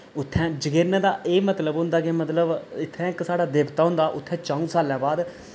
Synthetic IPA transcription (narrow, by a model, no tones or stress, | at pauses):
ʊt̪ʰːɛ̃ːd͡ʒəɡeːɾnẽːd̪aːʔeːmət̪ləbɦʊ̃nd̪aːkemət̪ləbɪt̪ʰːɛ̃ːksaːɽaːd̪eːbt̪aːɦʊ̃nd̪aːʔʊt̪ʰːɛ̃ːt͡ʃãːũːsaːljãːbaːd̪